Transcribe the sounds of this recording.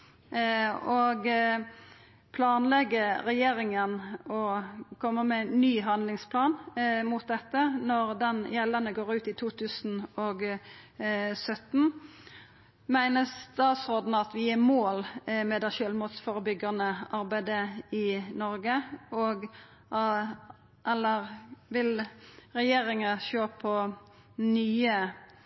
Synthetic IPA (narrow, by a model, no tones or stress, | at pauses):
ɔɡ | pʰlɑːnlɛɡəɾɛjeːɾɪŋənɔkʰɔmːəmɛnːyːɦɑnd̪lɪŋspʰlɑːnmʊt̪̚d̪ɛt̪ːənɔɾd̪ɛnjɛlːənəɡoːɾʉːt̪ɪt̪ʰuːt̪ʰʉːsn̩ɔɡ | sœt̪n̩ | mæɪnəst̪ɑːt̪sʁoːd̪nəɑt̪ʋɪjɪːmoːlmɛd̪ɛʃøːlmuːt̪sfɔɾəbʏɡɑnəɑɾbæɪd̪əɪnɔɾɡəɔɡ | ʔɛlːəʁʋɪlʁɛjeːɾɪŋəʃoːpʰɔ | nyːə